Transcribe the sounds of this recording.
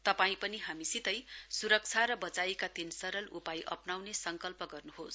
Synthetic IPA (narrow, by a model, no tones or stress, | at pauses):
t̪ʌpaĩpʌniɦamisit̪ʌjsuɾʌk̚t͡sʰaɾʌbʌt͡saekat̪insʌɾʌlupajʔʌ̰pnawnesʌŋkʌlpʌɡʌrnuɦos